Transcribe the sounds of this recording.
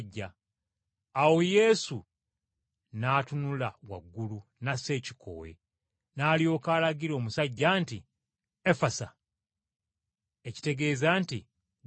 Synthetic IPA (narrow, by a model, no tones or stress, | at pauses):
ɟːaː | wo̞je̞ːsu | naːtunulawa̰ɡːulunase̞ːci̥kʰo̞̰we̞̰ | naːljo̞ːkaːlaɡiɾo̞ːmusaɟːaːnti | efasa | eci̥te̞ɡe̞ːzaːnti